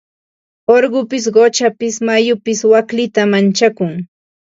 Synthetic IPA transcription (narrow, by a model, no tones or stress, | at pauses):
oɾɢʊpɪs̬ɢot͡ʃapɪsmajʊpɪswaklɪt̪amant͡ʃakʊŋ